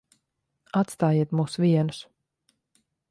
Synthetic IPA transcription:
at̪st̪aːjiɛt̪muːsvʲiɛnus

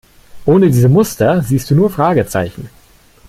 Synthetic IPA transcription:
ʔoːnədiːzəmʊstɐziːst̚d̥uːnuːɐfʁ̥aːɡət͡sa̰ɪçn̩

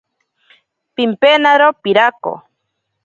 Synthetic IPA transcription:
pimpenaɾopiɾako̰

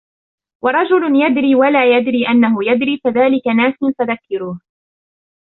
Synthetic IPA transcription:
wɑɾˤɑd͡ʒʊljad̪ɾiːwalaːjad̪ɾiːʔanːaɦʊjad̪ɾiːkaðaːlɪkanaːsɪnfaðakːɪɾuːh

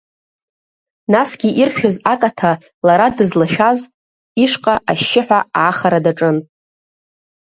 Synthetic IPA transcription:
nasɡʲiʔirχʲᶣozakʼatʰa | laɾadɨzlaʃᶣaz | iʂqʼaaʃːɪħʷᶣaaχaɾadaʈ͡ʂʼɨn

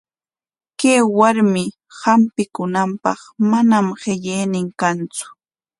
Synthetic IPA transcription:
kaːwaɾmɪ | hampɪkʊnampɑ̰χmanamɢɪʎejnɪŋkant͡sʊ̥

